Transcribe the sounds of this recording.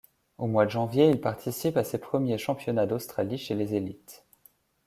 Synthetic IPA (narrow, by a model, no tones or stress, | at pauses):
omwad̪əʒɑ̃vjeilpaʁt̪ʰisipasepχəmjeʃɑ̃pjɔnad̪ost̪χaliʃelezelit̪